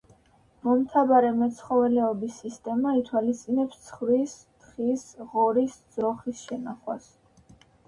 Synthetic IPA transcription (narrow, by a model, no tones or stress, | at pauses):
mɔmt̪ʰabaɾɛmɛt̪sʰχɔvɛlɛɔbisːist̪ʼɛmait̪ʰwalist̪sʼinɛpst̪sʰχvɾist̪χisʁɔɾisd̪z̥ɾɔχisʃɛnaχwas